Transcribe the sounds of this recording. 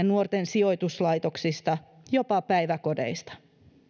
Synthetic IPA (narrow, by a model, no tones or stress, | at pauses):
nnuort̪ensio̞jt̪uslɑjt̪o̞ksist̪ɑ | jo̞pɑpæjʋæko̞de̞̰jst̪ɑ̥